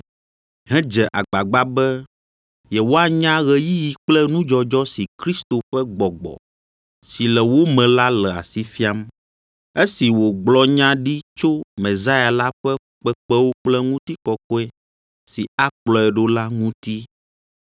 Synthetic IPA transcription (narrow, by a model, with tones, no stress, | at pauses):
ɦɛ̃˦d͡ʒɛ˨ʔa˨ɡ͡ba˨ɡ͡ba˦bɛ˦ | jɛ˨wo˦a˨ɲã˦ɣɛ˦ji˦ji˨k͡plɛ˦nũ˦d͡ʒɔ˦d͡ʒɔ˦si˨kɾi˦st̪o˨ɸɛ˦ɡ͡bɔ˨ɡ͡bɔ̰˨ | si˨lɛ˨wo˦mɛ̃˨la˦lɛ˨a̰˨si˦fi˦a˦m | e˦si˨wo˨ɡ͡blɔ˦ɲã˦ɖi˦t͡ʃo˦mɛ̃˨za˦ja˨la˦ɸɛ˦ | k͡pɛ˦k͡pɛ˦wo˦k͡plɛ˦ŋũ˦t̪i˦kɔ˦kɔ˦ɛ˦ | si˨a˦k͡plɔ˨ɛ˨ɖo˦la˦ŋũ˦t̪i˦